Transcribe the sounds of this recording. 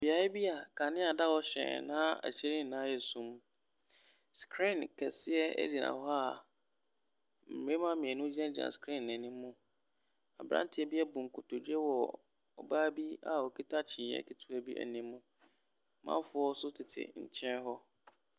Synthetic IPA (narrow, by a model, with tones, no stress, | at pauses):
bi˨a˨˦ɪ˦bi˦a˨kʰa˨nɪ̃˦a˨da˦wɔ˦ɕɛ̰̃˨nã˦æ̰˨ɕɛ˦ɾĩ˦n˨nã˦jɛ˨sũ˦m | skʰɾĩ˦˨nkʰɛ˨sɪ˦ɛ̰˦di˨nã̰˨hɔ˦a˦˨ | m̩˨mẽ˦mã˦mɪ̃˨ɛ˨nʊ̃˦d͡ʑi˦ɛ̃˦d͡ʑi˨ã̰˨skʰɾĩ˦˨nːɛ̃˨nĩ˦mː˦ʊ̃˦ | a̰˨bɾã̰˦n˦tʰɪ˦ɛ˦bi˦ɛ˦bũ˨ŋ˨kʰʊ˨tʰo˨dɥɛ˦wɔ˨ | ɔ̰˨baː˦bi˦a̰˨ɔ˨kʰi˦tʰa˦t͡ɕʰĩ˨ɛ̰˦kʰi˦tʰu˨æ˦bi˦ʔæ̰˨nĩː˦ũ˦ | mã̰˦fʊ˦ɔ˦sʊ˦tʰɪ˨tʰɪ̰˨ɲ̩˨t͡ɕʰɛ̃˦n˦ɦɔ˦